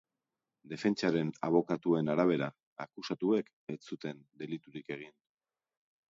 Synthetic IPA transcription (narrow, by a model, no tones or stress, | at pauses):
d̪e̞fe̞nt͡ʃaɾe̞na̰β̞o̞kat̪ue̞naɾaβ̞e̞ɾa | akusat̪ue̞k | et͡sut̪e̞nd̪e̞lit̪uɾike̞ɣ̞in